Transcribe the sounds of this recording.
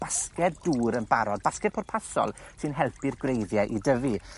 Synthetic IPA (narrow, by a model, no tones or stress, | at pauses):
b̥askɛtd̥uːɾənbaɾɔd̚baskɛt̚pʰɔrpʰasɔ̰lˠsɨnɦɛlˠpɪrɡwrejðjɛʔidəvi